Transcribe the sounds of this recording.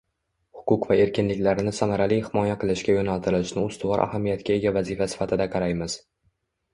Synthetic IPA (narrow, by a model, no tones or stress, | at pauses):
hʊ̥qʰʊqvae̞ɾkʲɪnlɪkʲlaɾnɪsamaɾalijhɪmɒjaqʰɨlˠɪʃkʲajonalˠt̪ʰɪɾɪlɪʃnɪʊst̪ʊvɒɾʔa̰hamijat̪kʲae̞ɡʲavazɪfasɪ̥fat̪ʰɪd̪aqʰɑɾajmɪz̥